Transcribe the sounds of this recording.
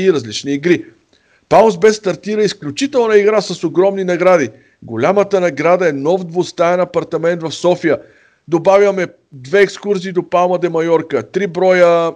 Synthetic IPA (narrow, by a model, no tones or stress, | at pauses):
iɾɐzlit͡ʃniːɡɾi | palˠsbɛst̪ɐɾt̪iɾəisklʲut͡ʃit̪ɛlˠnəiɡɾasəsoɡɾɔmninɐɡɾad̪i | ɡolʲamət̪ənɐɡɾad̪əɛnɔvd̪vʊst̪aɛnɐpɐɾt̪ɐmɛnt̪vɐfsɔfijə | d̪obavʲjəmɛ | d̪vɛɛkskuɾziːd̪opalˠməd̪ɛmɐjɔɾkət̪ɾibɾɔjə